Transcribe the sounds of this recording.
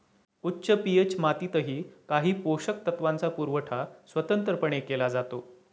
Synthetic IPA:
utːɕəpiet͡ɕmat̪iːt̪əɦiːkaɦiːpoɕək̚t̪ət̪ʋant͡sapuɾʋəʈʰasʋət̪ənt̪ɾəpəɳ̃ekelad͡zat̪o

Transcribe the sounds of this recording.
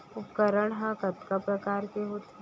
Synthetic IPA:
ʊpkəɾəɳɦãkɐt̪kapɾɐkaːɾkeɦoːt̪

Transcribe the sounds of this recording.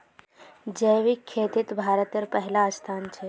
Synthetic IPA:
d͡ʒəjʋikʰːeːt̪it̪bʱaːɾət̪jəɾpəɦlaːst̪ʰaːnt͡ʃʰe

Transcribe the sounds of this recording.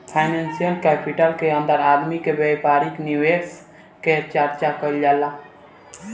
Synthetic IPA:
pʰajnensijəlkɛːpʰiʈəlkeə̃nd̪əɾaːd̪mikebepaːɾiknjiuʋeːs | ket͡ʃəɾt͡ʃakəild͡ʒaːlːa

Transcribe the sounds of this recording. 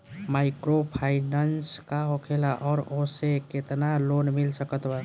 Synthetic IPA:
maikɾopʰainanskaɦokʰelaʔɔːɾoseket̪nalonmilsəkət̪ba

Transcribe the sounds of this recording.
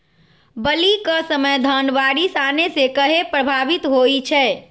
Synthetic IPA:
bəlikəsəməjd̪ʱənʋaɽisanesekəɦepɾəbʱaʋit̪ɦojt͡ʃʰɛː

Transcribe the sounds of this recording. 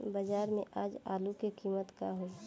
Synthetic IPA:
bɐd͡ʒaːɾmẽʔaːd͡ʒa̰ːlukekiːmət̪kaɦoː

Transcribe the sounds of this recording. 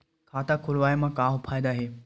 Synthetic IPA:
kʰaːt̪akʰʊlʋaːjmãkaːʋpʰaːjd̪aɦeː

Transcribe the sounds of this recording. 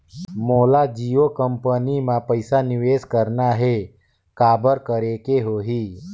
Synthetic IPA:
moːlad͡ʒiːokəmpənimãpəɪsanɪʋeːskəɾnaɦe | kaːbəɾkəɾekeɦoːɦiː

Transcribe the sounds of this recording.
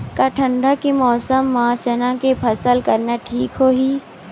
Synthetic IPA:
kaʈʰə̃ɳɖakimɔːsəmːãt͡ʃənãkepʰɐsəlkɐɾnaʈʰiːkɦoːɦiː

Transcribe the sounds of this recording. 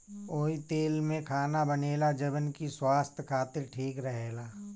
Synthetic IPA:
oːit̪eːlmẽkʰaːnabəneːlad͡ʒəbənkiswaːst̪ʰjkʰaːt̪ɪɾʈʰiːkɾəɦeːlaː

